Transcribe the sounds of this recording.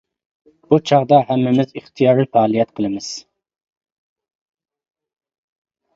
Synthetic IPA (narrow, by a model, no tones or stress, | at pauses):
b̥ut͡ʃʰɑʁd̪ɑɦɛmːɪmɪziχt̪ʰijɑːɾɨfɑːlˠijɛt̪qʰəlˠɪmɪz̥